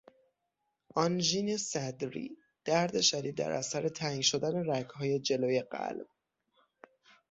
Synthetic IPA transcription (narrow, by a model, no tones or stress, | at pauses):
ʔɒnʒiːnesæd̪ɾḭ | d̪̥æɾd̪e̞ʃæd̪iːd̪̚ːæ̰ɾʔæ̰sæɾe̞t̪ʰæiːnʃo̞d̪æne̞ɾækʰhɒːje̞d͡ʒe̞loːje̞ɢæ̰lb̥̚